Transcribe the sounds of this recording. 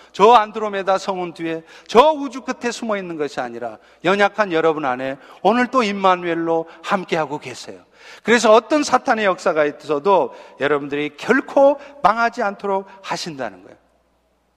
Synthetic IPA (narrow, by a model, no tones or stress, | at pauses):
t͡ɕʌanduɾome̞dasʰʌŋundie̞t͡ɕʌud͡ʑuk͈ɯtʰe̞sʰumʌinːɯnɡʌɕʰia̰ɲiɾa̰ | jʌɲakʰanjʌɾʌbunane̞onɯɭt͈oimːanwe̞ɭːohamk͈e̞ɦaɡokwe̞sʰḛjo | kɯɾe̞s̬ʰʌʌt͈ʌnsʰatʰane̞jʌk̚s͈aɡaitʰesʰʌdojʌɾʌbundɯɾikjʌɭkʰomaŋɦad͡ʑiantʰoɾok̚haɕʰinda̰nɯnɡʌ̰jo